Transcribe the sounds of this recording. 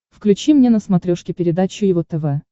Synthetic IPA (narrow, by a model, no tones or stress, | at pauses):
fklʲʉt͡ɕimnʲenəsmɐt̪ɾʲoʂkʲɪpʲɪɾʲɪd̪at͡ɕʊjɪvot̪ɛvɛ